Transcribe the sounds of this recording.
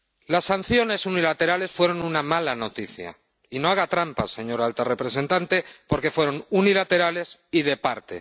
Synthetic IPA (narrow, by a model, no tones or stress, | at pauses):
lasːan̟θjo̞ne̞sunilat̪e̞ɾale̞sfwe̞ɾo̞nunamalano̞t̪iθja̰ | ino̞aɣ̞at̪ɾampa̰se̞ɲo̞ɾalt̪are̞pɾe̞sẽ̞nt̪ant̪e̞po̞ɾke̞fwe̞ɾo̞nunilat̪e̞ɾale̞siðe̞paɾt̪ḛ